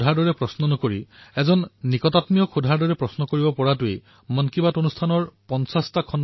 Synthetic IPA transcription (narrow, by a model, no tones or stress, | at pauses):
dʱaɹdɔɹɛpɹɔsnɔnɔkoɹiɛzɔnːikɔtatmijɔkʰudʱaɹdɔɹɛpɹɔsnɔkoɹibɔpɔɹatʊej | mɔnkibatonustʰanɔɹpɔnsastakʰɔn